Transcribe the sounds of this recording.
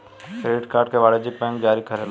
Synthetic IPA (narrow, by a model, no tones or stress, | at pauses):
kɾeːʈkaːɾɖkeʋaːɽed͡ʒɪk̚bɛ̃ːŋkd͡ʒaːɾikʰəɾel